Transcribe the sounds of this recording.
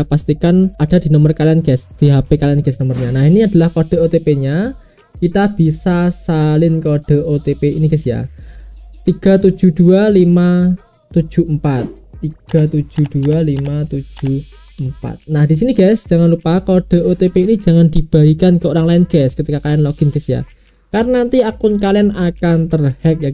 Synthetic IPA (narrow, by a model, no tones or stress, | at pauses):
past̪ikanad̥a̤d̪̥i̤nɔmərkalianɡ̥ɛsd̪̥iɦab̥ekalianɡ̥ɛsnɔmərɲanahiniad̥a̤lahkɔɖ̥o̤ot̪epeɲa | kit̪ab̥isasalɪnkɔɖ̥o̤ot̪epeiniɡ̥ɛsja̰ | t̪iɡ̥a̤t̪u̥d͡ʒ̥ṳd̥ualima | t̪u̥d͡ʒ̥ṳəmpat̪ːiɡ̥a̤t̪u̥ʒ̥ṳd̥ualimat̪u̥d͡ʒ̥ṳ | əmpa̰t̪̚nahd̥isiniɡ̥ɛsd̥ʒ̥a̤ŋanlupakɔɖ̥ɔ̤ʔot̪epeini̥d͡ʒ̥a̤ŋand̪̥i̤b̥a̤ikankɔoɾaŋlaɪnɡ̥ɛskət̪ikakalɛnlɔɡ̥ɪnkəsija̰ | karnant̪iakʊnkalɛnakant̪ərhɛk̚ja